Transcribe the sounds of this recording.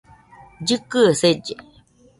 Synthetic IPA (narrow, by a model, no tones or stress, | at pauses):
d͡ʒɨkɨsed͡ʒe